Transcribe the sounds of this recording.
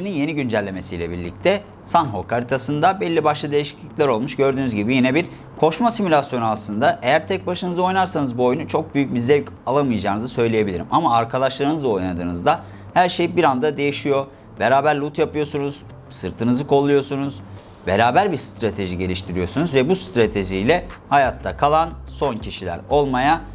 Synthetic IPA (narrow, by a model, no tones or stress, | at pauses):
ininje̞niɟynd͡ʒælʲːe̞me̞sijlʲɛbḭɾlʲḭc̚t̪ʰɛ | sanɦo̞kʰaɾʲit̪ʰasɯnd̪abɛlʲːibaʃlˠad̪ejiʃi̥clʲiclʲæɾo̞lˠmuʃɟø̞ɾd̪yːnyzɟibijinɛbiɾ | kʰo̞ʃmasimylʲasjo̞nuaslˠɯnd̪aʔe̞jæɾt̪ʰɛc̚baʃɯnɯzɯo̞jnaɾsanɯzbuo̞junut͡ʃʰo̞k̚byjyc̚bizlʲec | alˠamɯjad͡ʒaːnɯzɯsø̞jlʲeje̞bilʲiɾimʔamaːɾkʰad̪aʃlˠaɾɯnɯzˠao̞jnad̪ɯːnɯzd̪a | hæɾʃe̞jibiɾand̪ad̪e̞jiʃijo̞ | be̞ɾaːbæɾlʲˠut̪japɯjo̞sunuz̥ | sɯɾt̪ʰɯnɯzɯkʰo̞lˠujo̞sunuz̥ | beɾaːbæɾbiɾst̪ʰɾat̪ʰe̞ʒiɟe̞lʲiʃt̪ʰiɾijo̞sunuzvɛbust̪ɾat̪ʰe̞ʒijlʲɛhajat̪ʰːakʰalˠanso̞ncʰiʃilʲæ̰ɾo̞lˠmaja